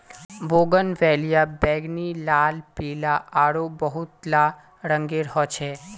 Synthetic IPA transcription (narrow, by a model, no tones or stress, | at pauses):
boːɡənʋɛːlijabɛːɡnilaːlpiːlaʔaːɽobəɦʊt̪la | ɾə̃ŋɡeɾɦɔt͡ʃʰɛː